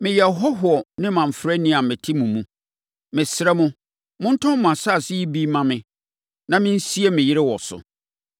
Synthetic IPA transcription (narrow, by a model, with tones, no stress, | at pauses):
mɪ̃˨jɛ˨ɦɔ˦ɦʊ˨ɔ˨nɪ̃˦mã˨ɱ̩˨fɾɛ˦nĩ˦a˨mɪ̃˨tʰi˦mũ˨mũ˦ | mɪ̃˨sɾɛ˦mʊ̃˦ | mʊ̃˦n̩˦tʰʊ̃˦m̃˨ã˨sa˦˨sɪ˦ji˦bi˦mã˨mɪ̃˦ | nã˨mɪ̃˦n̩˦si˦e˦mɪ̃˨jɪ˦ɾɪ˦wɔ˨sʊ̰˨